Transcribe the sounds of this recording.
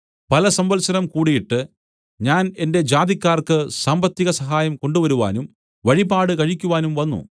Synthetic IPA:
pɐlɐsɐmbɐlsɐnɐmkuːɽijiʈːɨ | ɲaːne̞nde̞d͡ʑaːd̪ikʲːaːrkɨsaːmbɐt̪ːiɣɐsɐɦaːjɐmko̞ɳɖuʋɐɾuʋa̰ːnum | ʋɐɻibaːɽɨkɐɻikʲːuʋaːnumʋɐnːṵ

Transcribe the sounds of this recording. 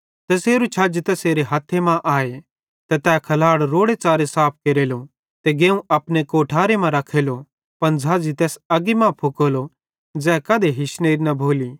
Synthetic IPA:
t̪ɐseːɾut͡ʃʰɐd͡ʒt̪ɛseːɾeɦɐt̪ʰːemãʔaːe | t̪ɛt̪ɛːkʰɐlaːɽɾoːɽet͡ʃaːɾesaːp̚ʰkeːɾeːlo | t̪eɡeːũɐpnekoːʈʰaːɾemãɾɐkʰːeːlo | pɐnd͡zʱaːzit̪ɛːsɐɡimãpʰʊkoːlo | d͡zɛːkɐd̪ʱeɦɪʃneːɾinɐbʱoːliː

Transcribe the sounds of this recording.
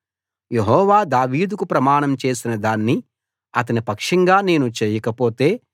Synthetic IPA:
jeɦɔːʋaːd̪aːʋiːd̪ukupɾɐmaːɳɐmt͡ʃe̞ːsinɐd̪aːnːi | ɐt̪̬ɐnipɐkʂɐŋɡaːne̞ːnut͡ʃeːjɐkɐpo̞ːt̪e̞ː

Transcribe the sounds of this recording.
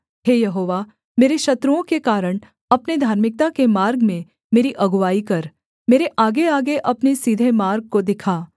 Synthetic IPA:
ɦeːjɐɦoːʋa | meːɾeʃɐt̪ɾuõkekaːɾəɽ̃ | ɐpned̪ʱaːɾmɪk̚t̪akemaːɾɡmẽ | meːɾiʔɐɡʋaːikɐɾ | meːɾeʔaːɡeaːɡeʔɐpnesiːd̪ʱemaːɾɡ̚kod̪ɪkʰaː

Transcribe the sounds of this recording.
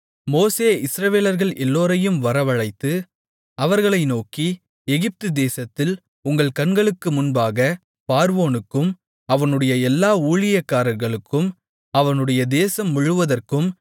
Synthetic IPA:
moːseːɪsɾɐʋeːlɐɾɣɐɭɛlːoːɾɐjɯmʋɐɾɐʋɐɻɐɪt̪ːɯ | ɐʋɐɾɣɐɭɐɪnoːki | ɛɣɪp̚t̪ɯd̪eːsɐt̪ːɪl | ʊŋɡɐɭkɐnɡɐɭɯkːɯmʊnbaːɣɐ | paːɾʋoːnɯkːɯm | ɐʋɐnɯɽɐjɐɛlːaːuːɭɪjɐkːaːɾɐɾɣɐɭɯkːɯm | ɐʋɐnɯɽɐjɐd̪eːsɐmːʊɻɯʋɐðɐrkɯm

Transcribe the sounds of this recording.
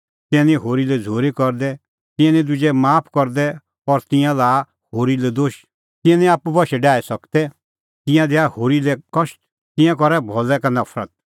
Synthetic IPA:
t̪ɛ̃nĩɦoːɾilɛd͡zʱoːɾikɔɾd̪ɛ | t̪ɪ̃ɛ̃nĩd̪ʊd͡ʒɛmaːpʰkɔɾd̪ɛ | ɔɾt̪ɪ̃jãlaː | hoːɾilɛd̪oːʃ | t̪ɪ̃ɛ̃nĩaːpubɔʃɛɖaːisɐkt̪ɛ | t̪ɪ̃jãd̪ɛahoːɾilɛkɔʃ | t̪ɪ̃jãk̬ɔɾɛbʱɔlɛkanɐpʰɾə̰t̪̚

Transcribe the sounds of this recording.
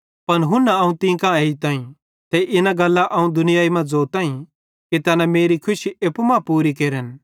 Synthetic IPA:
pɐnɦʊ̃nːaɐũt̪ĩːkãeːit̪ãːĩ | t̪ɛʔɪnãɡɐlːaʔɐũd̪ʊnɪjaːimɐ̃d͡zoːt̪ãːĩ | ket̪ɛːnãmeːɾikʰʊʃieːpumãːpuːɾikeːɾən

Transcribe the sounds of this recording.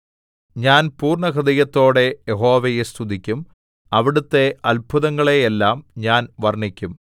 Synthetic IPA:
ɲaːnpuːrɳɐkrɐd̪ɐjɐt̪ːo̞ːɽe̞jeɦo̞ːʋejest̪ʰud̪ikʲːum | ɐʋiɽut̪ːe̞ʔɐlbʱuðɐŋːɐɭejelːaːmɲaːnʋɐrɳikʲːum

